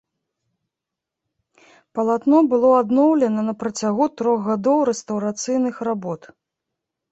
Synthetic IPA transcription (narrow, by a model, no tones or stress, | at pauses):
pɐlˠat̪nɔbɨlˠɔad̪nɔwlʲɛnɐnɐpɾɐt͡sʲaɣut̪ɾɔɣɣad̪ɔwɾɛst̪ɐwɾat̪sɨjnɨxrabɔt̪